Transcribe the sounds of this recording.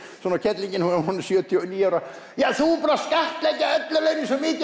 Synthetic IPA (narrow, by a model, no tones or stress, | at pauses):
sɔːnacʰɛt̪liɲcɪnuɔnsjœːt̪ʰjɔniːjaːɾa | jaːθupanɾaskaht̪lɛkcːaœt̪lʏlejnɪsɔmiːt̪